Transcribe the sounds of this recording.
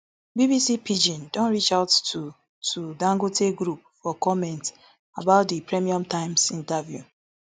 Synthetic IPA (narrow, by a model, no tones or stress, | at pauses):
bibisipid͡ʒɔ̃ndõnɹit͡ʃaʊtu | tʰudãŋɡotʰeɡɾup̚fɔkɔmɛ̃nt | abaʊt̚dipɹɛmiɔ̃mtãɪ̃msĩntavjṵ